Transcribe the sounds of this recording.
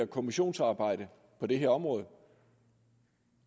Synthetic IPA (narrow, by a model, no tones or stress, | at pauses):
ɐkʰo̝miɕo̝̰ːnsɑ̈ːb̥ɑ̈ɪ̰d̥ə | pʰɒ̽d̥e̝ɦeɐɒ̽mʁɔ̽ːðˠ